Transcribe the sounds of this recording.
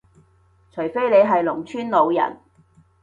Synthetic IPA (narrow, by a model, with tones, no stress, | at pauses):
t͡ʃʰɵ˨˩jfe˥jle˨˧jɦɐ˨jlʊ˨˩ŋt͡ʃʰyː˥nlo˨˧wjɐ̰˨˩n